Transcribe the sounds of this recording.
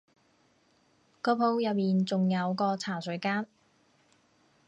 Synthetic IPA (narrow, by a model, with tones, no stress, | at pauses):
kɔː˧˥pʰo˧wjɐ˨t̚miː˨nt͡sʊ˨ŋjɐ˨˧wkɔː˧t͡sʰaː˨˩sɵ˨˥kaː˥n